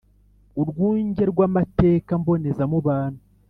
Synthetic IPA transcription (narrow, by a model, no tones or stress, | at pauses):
uɾɡwuːɲɟe̞ɾɡwamate̞ːkambo̞ne̞zamuβaːnhu